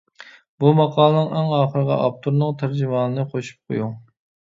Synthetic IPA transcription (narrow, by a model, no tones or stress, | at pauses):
bumɑqʰɑːlˠnɨŋɛŋɑːχəɾəʁɑ̰ʔɑp̚t̪ʰuɾnɨŋt̪ʰæɾd͡ʒɪmɑːnɨnɨqʰoʃu̥p̚qʰo̰ju